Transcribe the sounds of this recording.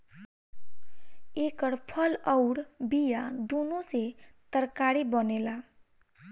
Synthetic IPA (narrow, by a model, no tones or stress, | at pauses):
eːkəɽpʰələʊɾbijad̪unoset̪əɾkaɾibənela